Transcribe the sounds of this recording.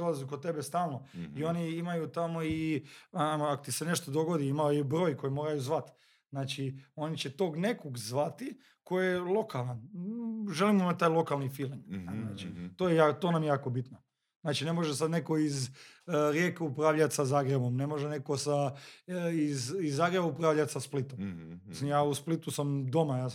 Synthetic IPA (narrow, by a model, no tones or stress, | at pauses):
lazukot̪e̞best̪aːlˠnoio̞niimajut̪amo̞iamoakot̪isene̞ʃt̪od̪o̞ɡo̞d̪iimaojbɾojko̞jemo̞ːɾajuzʋat̪ | znaːt͡ʃio̞nit͡ɕet̪o̞ːɡne̞koɡzʋat̪i | ko̞jjelˠo̞kalˠan | ʒe̞limoimat̪aːjlˠo̞kalnifiliŋɡnaːt͡ʃi̥t̪ojejaːt̪o̞ːnamjejaːko̞bit̪no | znaːt͡ʃine̞mo̞ʒesad̪neko̞izɾjekeupɾaːʋʎat̪ʲsazaːɡɾebo̞mne̞moʒeneko̞sa | izizːaːɡɾebaupɾaːʋʎat̪ʲsasplit̪omisimjaːusplit̪usamd̪o̞majaː